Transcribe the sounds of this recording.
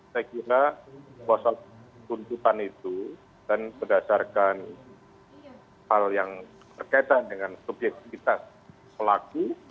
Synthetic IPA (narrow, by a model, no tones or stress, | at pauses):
sajakiɾabasat̪unt̪ut̪anit̪u | d̥anbədasarkan | haljaŋ | t̪ərkait̪andəŋansubjɛk̚t̪ifit̪as | pəlaku